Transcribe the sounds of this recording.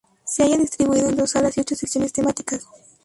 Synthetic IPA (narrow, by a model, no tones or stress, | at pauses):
seajaðist̪ɾiβuiðoend̪osalasiot͡ʃoseksjonest̪emat̪i̥kas